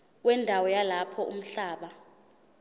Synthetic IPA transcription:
wɛndʱawɔjalapʰɔʔṵm̩ɬaːɓa

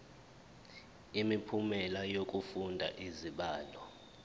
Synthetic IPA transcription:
imipʰumɛlajok̬ʼufundʱa̰ʔiziɓaːlɔ

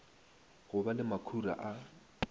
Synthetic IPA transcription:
ɣʊbalɪmakʰura̰ʔa

